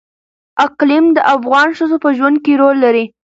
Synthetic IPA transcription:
aqlimd̪əʔafɣɑnʃəzopəʒwand̪̚keɾolːaɾi

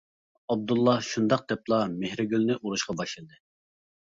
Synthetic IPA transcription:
ɑb̚d̪ulˠːɑʃund̪ɑq̚d̪̥ɛplˠɑmehɾɪɡʲylnɪʔuɾuʃqɑbɑʃlˠɨd̪ɨ

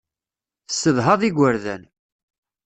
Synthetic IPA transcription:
θəsːəðɦɑðˤiɡʷəɾðæ̰n

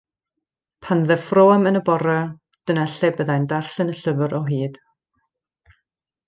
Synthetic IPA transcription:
pʰanðɛfroːamənəbɔɾa | d̥ənɛɬɛbəðajndarɬənəɬəvəɾʔɔɦiːd̥

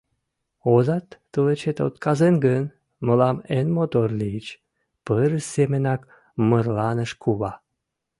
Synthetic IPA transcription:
ozɑt̪ːələt͡ɕet̪o̰t̪kɑzenɡən | məlɑmenmot̪orlit͡ɕ | pəɾəsemenɑk | mərlɑnəʃkʰuβɑ

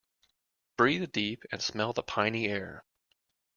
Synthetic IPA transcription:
b̥ɹiðɨdipɨ̃nsmɛlˠðəpʰãɪ̃niɛɹ

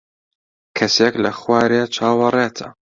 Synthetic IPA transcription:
kʰɐseklɐxwaːɾet͡ʃʰaːwɐreːt̪ʰɐ̰

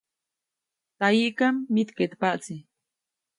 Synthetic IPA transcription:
t̪ajiʔkamːit̪ket̪paʔt͡si

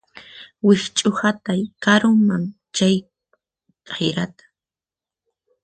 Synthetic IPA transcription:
wɪht͡ʃʼʊhat̪ajkaɾʊmaŋ | t͡ʃaj | kʼajɾat̪ḁ

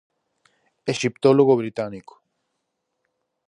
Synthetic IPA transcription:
eʃipt̪oloɣobɾit̪aniko̥

